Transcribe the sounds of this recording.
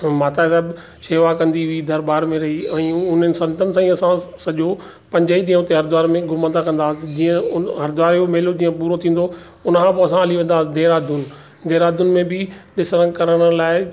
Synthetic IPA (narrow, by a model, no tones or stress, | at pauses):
maːt̪asɛːb | ʃeːʋakɐ̃nd̪iʊid̪ʱɐɾbaːɾmẽɾɐɦiɛ̃ːʊn̤ənɪ̆sɐ̃nt̪ənɪsãːĩɐsãsɐʄo | pɐ̃ɲd͡ʑaːiɗĩːə̃ʊt̪eɦɐɾd̪ʊaːɾmẽɡʱʊmə̃nd̪akɐ̃nd̪aːd͡ʑĩːə̃ɦɐɾd̪ʋaːɾjomeːlod͡ʑĩːə̃puːɾot̪ʰĩːn̆d̪o | ʊnəkʰãːpoɐsãəliʋẽːnd̪aːɪd̪eːɾaːd̪ʱun | d̪eːɾaːd̪ʱʊnmẽbɪɗɪsɾə̃ŋɡkɐɾəɽ̃laːɪ